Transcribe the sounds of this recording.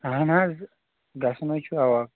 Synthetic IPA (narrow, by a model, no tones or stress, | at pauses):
ɦãnãz | ɡasnot͡ʃʰuawa